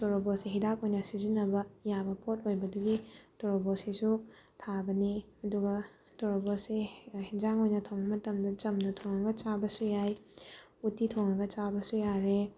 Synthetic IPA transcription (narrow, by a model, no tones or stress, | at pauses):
toɾoboseɦidapojnɐsizinːɐbɐjabɐpʰot̚ojbɐduɡitoɾobosisutʰabɐni | ɐduɡɐ | toɾobosehid͡ʒaŋojnɐtʰowŋɐmɐtɐmdɐt͡ʃɐmnɐtʰoŋɐɡɐt͡ʃabɐsujaj | utitʰoŋɐɡɐt͡ʃabɐsujaɾe